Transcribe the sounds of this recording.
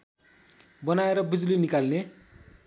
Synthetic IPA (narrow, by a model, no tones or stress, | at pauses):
bʌnaeɾʌbid͡zlinikalne